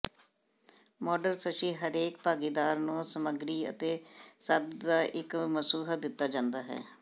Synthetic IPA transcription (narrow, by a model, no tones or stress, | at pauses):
mɔːɖəɾsəʃiːɦəɾeːk̚paːɡiːd̪aːɾnũːsəməɡɾiːə̰t̪eːsəd̪d̪aːʔɪkməsuːɦəd̪ɪt̪ːaːd͡ʒãːnd̪aːɦɛ̰ː